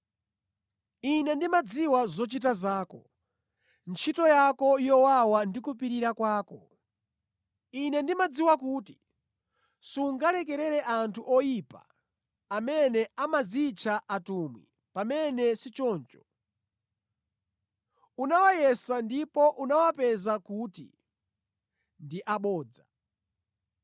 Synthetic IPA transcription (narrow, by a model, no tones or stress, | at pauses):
inɛndimad͡ziwazɔt͡ʃitazaːkɔ̰ | nt͡ʃʰitɔjakɔjɔwawandikupiɾiɾakwaːkɔ | inɛndimad͡ziwakuːti̥ | suŋɡalɛkɛɾɛɾɛʔantʰuʔɔjipa̰ | amɛnɛamazit͡ʃʰaʔatumwḭ | pamɛnɛsit͡ʃɔːnt͡ʃɔ̥ | unawajɛsandipɔʔunawapɛzakutḭ | ndiʔaɓɔːd͡za